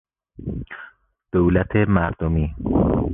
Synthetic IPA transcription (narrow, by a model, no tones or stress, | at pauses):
d̪̥owlæt̪ʰemæɾd̪̥omiː